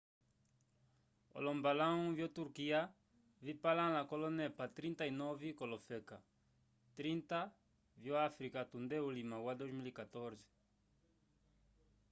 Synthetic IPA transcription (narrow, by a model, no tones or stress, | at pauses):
o̰lõmbalãŋ̃vjot̪uɾkia | vipalãlakolonepat̪ɾĩnt̪ainɔvikolofeka | t̪ɾĩnt̪a | vjoafɾikat̪ũnd̪eulimãwad̪ozmilikat̪oɾzi̥